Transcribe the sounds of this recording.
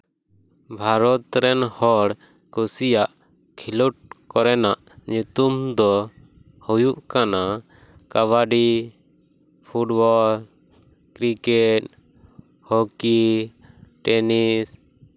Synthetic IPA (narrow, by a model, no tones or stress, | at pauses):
bʱaɾɔt̪ɾɛnhɔɽ | kusijaʔ | kʰiluʈ̚kɔɾɛnaʔ | ɲut̪umd̪ɔ | hujuʔkana | kaβaɖi | pʰuʈbɔl | kɾikɛʈ̚ | hoki | ʈɛnis